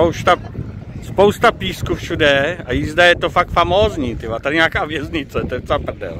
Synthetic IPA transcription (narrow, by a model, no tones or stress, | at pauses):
owst̪aspowst̪apiːskuːfʃudɛajɪzd̪ɛjɛt̪ofak̚t̪famoːzɲiːt̪ɪvat̪adɪɲaːkaːvjɛzɲɪt͡sɛt̪oɛt̪apr̩dɛ̰l